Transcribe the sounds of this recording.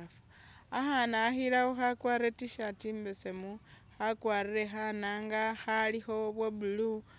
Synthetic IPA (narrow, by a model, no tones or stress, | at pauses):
f | axanaːxilaoxakwaːɾetiʃatiːmbesemuxakwaːriɾe̞xanaːŋɡaxalixo̞βwebulu